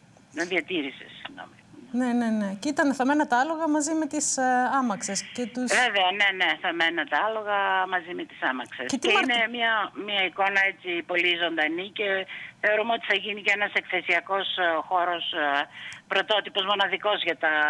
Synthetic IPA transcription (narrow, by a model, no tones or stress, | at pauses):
nɐðiɐt̪iɾisḛsːiɣno̰mine̞ne̞ne̞cit̪ɐnθɐme̞nɐt̪ɐɐlo̞ɣɐmɐzime̞t̪isɐmɐksesce̞t̪usveveɐne̞ne̞θɐme̞nɐt̪ɐɐlo̞ɣɐmɐzime̞t̪i̥sɐmɐksescet̪ɐinemiɐmiɐiko̞nɐe̞t͡sipo̞lizo̞nd̪ɐnice̞θeo̞ɾumeo̞t̪i̥θɐʝinicee̞nɐse̞kθe̞siɐko̞sxo̞ɾo̞s | pɾo̞t̪o̞t̪ipo̞zmo̞nɐðiko̞zʝɐt̪ɐ